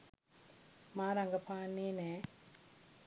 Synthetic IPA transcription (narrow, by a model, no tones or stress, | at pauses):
maːɾaŋɡɐpaːnːeːne